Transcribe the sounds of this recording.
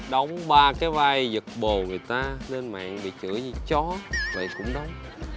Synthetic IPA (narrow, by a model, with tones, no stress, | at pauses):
ɗə˧wŋ͡mɓaː˧kaː˨˦jvaː˧jzə˨˩k̚ɓo˨˩ŋɨ˨˩əjt̪aː˧le˧nma̰ː˧˨ŋɓḭ˧˨t͡ɕɨ̰˧˥əɲi˧t͡ɕɔ˨˦və̰˧˨jkʊ̰˧˥ŋ͡mɗə˧˦wŋ͡m